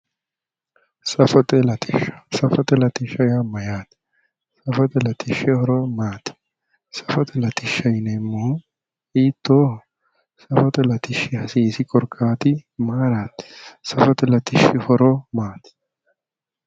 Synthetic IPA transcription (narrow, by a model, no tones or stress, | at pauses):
sɐfɔt̪ʼɛlɐt̪ɪʃɐ̥sɐfɔt̪ɛlɐt̪ɪʃɐjamɐjaːt̪ | sɐfɔt̪ɛlɐt̪ɪʃːɪhɔɾɔmaːt̪ɪ̥ | sɐfɔt̪ɛlɐt̪ɪʃːɐjɪnɛmːoː | iːt̪ːoː | sɐfɔt̪ɛlɐt̪ɪʃːɪhɐsiːsɪkʼɔɾkʼʰːaːt̪ɪmaːɾaːt̪sɐfɔt̪ɛlɐt̪ɪʃɪhɔɾɔmaːt̪ɪ̥